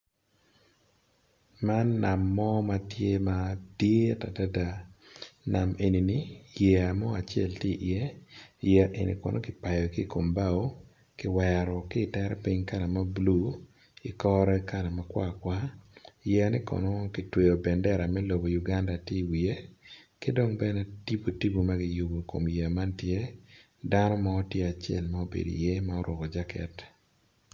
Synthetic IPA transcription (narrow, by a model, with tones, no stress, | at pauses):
ma˦nːa˨mːɔ˦ma˦tje˦ma˦dje˦ta˨da˦da˨ | na˨me˨ni˨ni˨jɛ˨a˨mɔ˦a˨t͡ʃɪɛ̰˦˨lti˦˨ʔi˨e˦jɛ˦ʔe˨nḭ˨kɔ̰˨nʔo˦kɪ˨pa˨jɔ˨ki˦˨ko˨mba˦˨o˦ | kɪ˨wɛ˨ɾɔ˨kɪ˦˨tɛ˦ɾpi˦ɲka˦la˨ma˦blu˦ | ɪ˨kɔ˦ɾɛ˦ka˦la˨ma˦kwa̰˦kwa˦jɛ˦nɛ˦kɔ̰˨no˦kɪ˨twe˨jo˨bɛ˨ndɛ˦ɾa˨mɛ˦lo˨bo˨ju˨ɡa˦nda˨ti˦wi˨e˦kɪ˦do˦ŋbɛ˦nɛ˦ti˦bo˨ti˦bo˨ma˦ɡɪ˦jʊ˨bo˨ko̰˨mja˨ma˦ntje˦ | da˦nɔ˦ma˦ɔ˦tje˦a˨t͡ʃɪɛ˨lma˦o˦bḛ˨do̰˨jɛ˦ma˦ɔ˦ɾɔ˨ɡɔ˨d͡ʒa˦kɛ̰˨t